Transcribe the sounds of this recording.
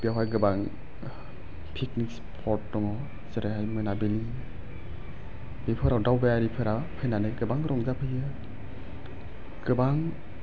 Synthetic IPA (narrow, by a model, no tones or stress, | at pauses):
bijawajɡɯbaŋ | pʰiknikspʰɔɾtːɔŋɔ | sɯɾaɦajmɯnabili | bipʰɯɾawdawbajaɾipʰɯɾapʰajnanɯɡɯbaŋɾɔŋzapʰɯjɯ | ɡ̥ɯbaŋ